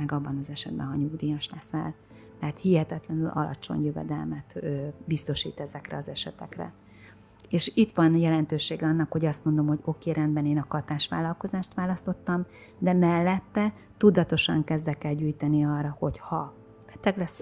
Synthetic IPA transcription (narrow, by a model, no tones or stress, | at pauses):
ɛɡɒbːɒnɒzɛʃɛ̰d̪bɛ̰nɦɒɲuɡd̪iːjɒʃlɛsɛ̰l | t̪ɛɦat̪hihɛt̪ɛt̪lɛnylʔɒ̰lɒ̰t͡ʃo̞̰ɲjøvɛ̰d̪ɛlmɛt̪øːbist̪o̞ʃḭːt̪ɛzɛkrɛ̰ɒzɛʃɛt̪ɛkrɛ̰ | eːʃit̪ʋɒnjɛlɛnt̪øːʃeːɡɛɒnːɒkho̞ɟɒst̪mond̪o̞mho̞ɟo̞keːɾɛnd̪bɛneːnɒkɒt̪aːʃʋa̰ːlɒlko̞zaːʃt̪ʋaːlɒst̪o̞t̪ːɒm | d̪ɛmɛlːɛt̪ːɛ | t̪ud̪ɒt̪o̞ʃɒ̰ŋkɛzd̪ɛkɛlɟyːjt̪ɛniɒːrːɒho̞chɒ | b̥ɛt̪ɛɡlɛs